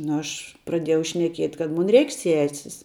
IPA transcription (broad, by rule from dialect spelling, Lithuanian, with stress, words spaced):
ˈnʊ ˈɐʃ prɐˈdʲiɛjɛʊ ʃʲnʲɛˈkʲiɛtʲ kɐt ˈmʊn ˈrʲɛɪkʲ ˈsʲæːsʲɪs